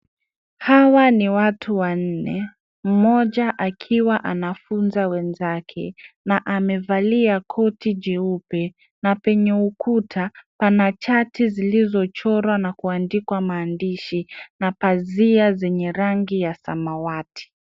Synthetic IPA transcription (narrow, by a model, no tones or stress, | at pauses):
hawaniwatʰuwan̩nɛ | m̩mɔʄaʔakʰiwaʔanafunzawɛnzakʰɛ̰naʔamɛvaliakʰɔtid͡ʒɛupɛ | napɛɲɛukʰutʰapanat͡ʃatizilizɔt͡ʃɔɾwanakuandikwamaːndiʃinapaziazɛɲɛɾaŋɡijasa̰mawati̥